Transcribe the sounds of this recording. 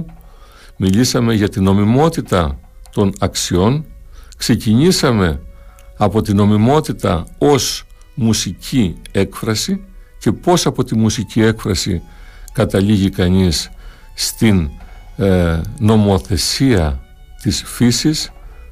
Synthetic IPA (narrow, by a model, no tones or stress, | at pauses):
milisɐme̞ʝɐt̪ino̞mimo̞t̪it̪ɐt̪o̞nɐksio̞nkse̞ciɲisɐme̞ɐpo̞t̪ino̞mimo̞t̪it̪ɐo̞s | musicʰie̞kfɾɐsice̞po̞sɐpo̞t̪imusicie̞kfɾɐsḭ | kɐt̪ɐʎiʝikɐɲisː | t̪in | no̞mo̞θe̞siɐ | t̪isfisis